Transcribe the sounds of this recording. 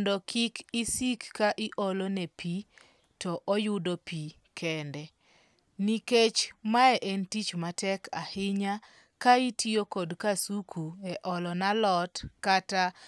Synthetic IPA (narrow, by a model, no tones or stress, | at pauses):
ndɔkʰɪkisikːaʔɪʔɔlɔnepʰi | tɔʔɔjʊdopi | kʰɛndɛ | niket͡ʃmaɛʔɛntit͡ʃmatɛkʰa̰hɪɲa | kaitiokodkasukʰuɛʔɔlɔnalɔtkata